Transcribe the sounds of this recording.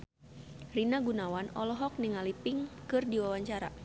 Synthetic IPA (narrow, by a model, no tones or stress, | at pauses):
rinaɡunawanɔlɔɦɔk̚niŋalipiŋkɨrdiwawaɲt͡ʃaɾa̰